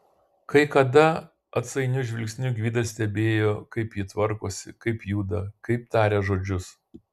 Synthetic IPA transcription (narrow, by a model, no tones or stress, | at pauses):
kɐɪkɐd̪ɐ | ɐt̪sɐɪnʲʊʒʲʋʲɪlʲkʲsʲnʲʊɡʲʋʲiːd̪ɐsʲt̪ʲɛbʲeːjoːkɐɪpjɪt̪ʋɐɾkoːsʲɪkɐɪpjuːd̪ɐkɐɪp̚t̪ɑːɾʲeːʒoːd͡ʒʲʊs